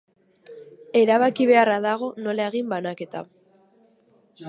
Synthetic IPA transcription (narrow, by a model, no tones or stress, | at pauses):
e̞ɾaβakiβ̞e̞araðaɣ̞o̞no̞laeɣimbanake̞t̪a̰